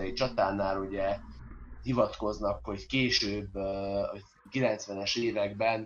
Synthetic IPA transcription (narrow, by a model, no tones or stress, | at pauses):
ɛit͡ʃɒt̪aːnːaːɾuɟɛ | hivɒt̪ko̞znɒkho̞ckeːʃøːbː | kilɛnt̪sʋɛnɛʃeːvɛɡbɛn